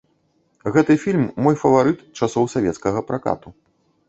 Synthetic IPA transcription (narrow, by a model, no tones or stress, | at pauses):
ɣɛt̪ɨfʲilʲmːɔjfɐvaɾɨt̪t͡ʂasɔwsavʲɛt̪skɐɣɐpɾaka̰t̪u